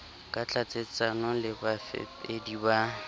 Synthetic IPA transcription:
kʼat͡ɬʰʼat͡sʼet͡sʼanɔlɪbafɛ̰pediba

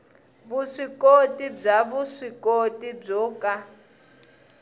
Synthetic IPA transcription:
βuʂikʼotʼib͡ʐaβuʂikʼotʼib͡ʐɔːkʼa

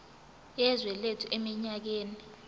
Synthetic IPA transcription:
jɛzwɛletʰuʔemiɲak̬eːni

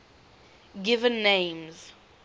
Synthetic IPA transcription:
ɡɪvə̃nːẽmz̥

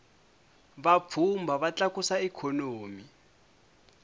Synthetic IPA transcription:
βap̪fʰumbʱaβat͡ɬakusaɛkʰɔnoːmi

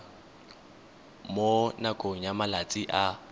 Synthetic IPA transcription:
monakʼoŋ̩amalat͡sʼiʔa

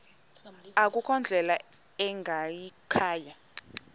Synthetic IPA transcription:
ak̬ukʰɔnd͡ɮʱɛla | ɛŋɡʱajikʰaːja

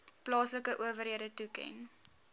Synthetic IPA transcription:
plɑːsləkəʔuəvərɦiədətukɛ̰n

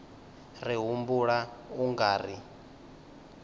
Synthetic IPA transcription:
riɦumbuɺauŋɡaːri

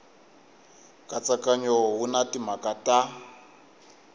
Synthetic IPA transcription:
kʼat͡sakaɲɔɦunatimakatʼa

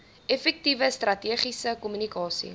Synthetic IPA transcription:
efɛk̚tivəstrɐtiəχisəkumynikɑːsḭ

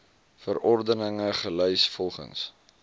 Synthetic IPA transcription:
fəɾɔrdənəŋəχəlœjsfɔlˠχə̰ŋs

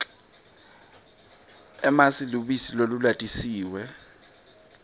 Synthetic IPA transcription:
ɛmasiluɓisilolulatʼisiːwɛ

